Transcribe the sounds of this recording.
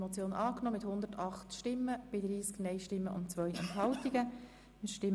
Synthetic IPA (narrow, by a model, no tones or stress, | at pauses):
mɔt͡sjoːnʔɑːknɔːmɪthʊnd̪ətʰɑχt̪ʃtɪmːəb̥ɪdɾiːsknɛjʃtɪmːəʔʊ̰nt͡sʋœjʔɛ̰ntɦɑwtiɡə | əʃtɪ